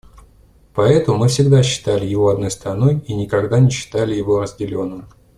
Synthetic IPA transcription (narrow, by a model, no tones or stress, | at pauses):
pɐɛt̪əmɨfsʲɪɡd̪aɕːɪ̥t̪alʲɪjɪvo̞ɐd̪no̞jst̪ɾɐno̞jinʲɪkɐɡd̪anʲɪɕːɪ̥t̪alʲɪjɪvo̞ɾəzʲdʲɪlʲo̞nːɨm